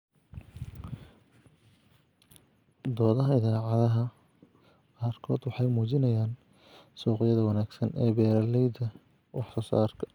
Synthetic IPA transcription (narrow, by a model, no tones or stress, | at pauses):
d̪ɔːðɐɦɐɪðaːʕɑðɐɦɐ | qaːrkʰɔːd̪wɑħɑjmuːt͡ʃɪnɐjaːn | sɔːqɪjɐðɐwɑnaːɡsɐnʔɛːbɛːɾɐlɛjd̪ɐ | wɑħsɔːsa̰ːrkʰɐ̥